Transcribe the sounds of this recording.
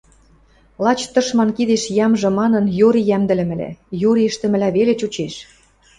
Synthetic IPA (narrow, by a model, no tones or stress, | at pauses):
lɑt͡ɕt̪ɤ̆ʃmɑnkid̪eʃjɑmʒɤ̆mɑnɤ̆njoɾijæmd̪ɘ̆lɘ̆mɘ̆læ̰joɾiɘ̆ʃt̪ə̆mɘ̆læβelet͡ɕut͡ɕeʃ